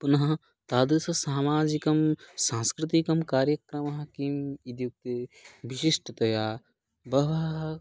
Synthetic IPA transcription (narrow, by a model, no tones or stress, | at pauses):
punɐɦɐ̃ | t̪aːd̪sɐsaːmaːd͡ʒikɐmsãːnskɾɪt̪ikɐmkaːɾjɐkɾɐmɐɦɐkimid̪juk̚t̪ebiʃiʃʈʰɐt̪ɐjaː | bɐʋa